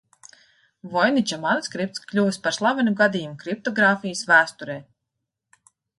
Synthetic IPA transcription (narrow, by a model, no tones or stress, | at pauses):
vɔjnit͡ʃamanskɾip̚t̪sklʲuvɨspaɾslˠavanʲuɡad̪ijumukɾip̚t̪ɔɡɾaːfijəsvæːst̪uɾɛː